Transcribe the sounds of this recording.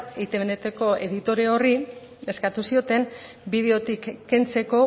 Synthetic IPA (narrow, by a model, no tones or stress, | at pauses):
it̪eβenet̪eko̞e̞ðit̪o̞ɾe̞o̞ri | e̞skat̪usio̞t̪e̞n | biðe̞o̞t̪ikːe̞nt͡se̞ko̞